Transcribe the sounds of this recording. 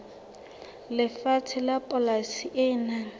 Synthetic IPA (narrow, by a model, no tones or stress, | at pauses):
lɪfat͡sʰɪlapʼɔlasiʔɪnaŋ̩